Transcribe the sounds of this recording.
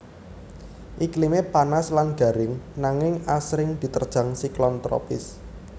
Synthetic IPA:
ʔiklimepanaslanɡ̥a̤ɾɪŋnaŋɪŋasɾɪŋd̪̥i̤t̪ərd̥ʒ̥a̤ŋsiklɔnt̪ɾɔ̰pɪs

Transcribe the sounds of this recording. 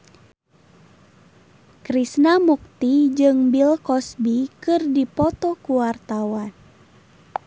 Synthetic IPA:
kɾisnamuk̚t̪id͡ʒɨŋbilkɔsbikɨrdipɔt̪ɔkuwart̪awan

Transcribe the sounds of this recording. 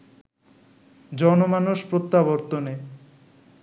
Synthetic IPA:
d͡ʑɔnomanuʃpɾot̪ːaboɾt̪one

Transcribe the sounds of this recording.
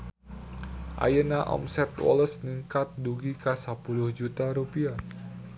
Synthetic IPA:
ʔa̰jənaʔɔ̰msɛt̪wɔ̰ləsniŋkat̪̚duɡikasapulʊhd͡ʒut̪aɾupia

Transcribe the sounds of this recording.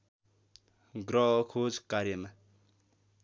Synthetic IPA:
ɡrʌkʰod͡zkaɾjʌma

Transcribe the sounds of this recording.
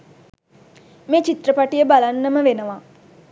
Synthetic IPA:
meːt͡ʃit̪rəpaʈijəbalanːəməʋenəʋa

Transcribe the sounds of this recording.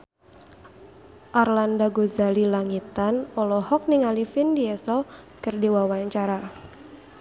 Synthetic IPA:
ʔarlandaɡozalilaŋit̪anɔlɔhɔk̚niŋalifindiɛsɔkɨrdiwawaɲt͡ʃaɾa

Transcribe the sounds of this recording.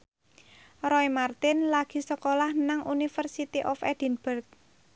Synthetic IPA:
rɔimart̪ɪnlaɡ̥i̤səkolahnaŋʔunifərsit̪iʔɔfɛd̥i̤nbərk̚

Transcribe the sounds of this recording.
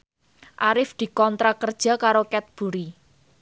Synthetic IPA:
ʔaɾɪfd̪̥i̤kɔnt̪ɾakərd̥ʒ̥a̤kaɾokɛt̪̚b̥ṳɾi

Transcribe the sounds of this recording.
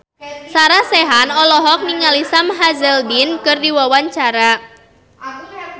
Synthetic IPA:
saɾasɛɦanɔlɔɦɔk̚niŋalisamɦazɛlbinkɨrdiwawaɲt͡ʃaɾa

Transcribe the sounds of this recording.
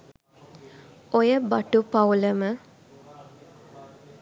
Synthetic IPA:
ojəbaʈupauləmə

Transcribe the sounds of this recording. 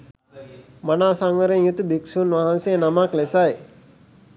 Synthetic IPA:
manaːsaŋʋəɾeŋjut̪ubiksunʋaɦansenamaklesaj

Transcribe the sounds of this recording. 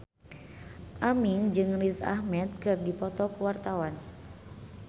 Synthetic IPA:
ʔamiŋd͡ʒɨŋrisa̰hmɛt̪̚kɨrdipɔt̪ɔkuwart̪awan

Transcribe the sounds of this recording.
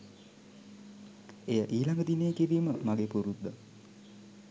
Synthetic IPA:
ejəʔiːlaŋɡəd̪inejəkiʋiːməmaɡepuɾud̪ːə

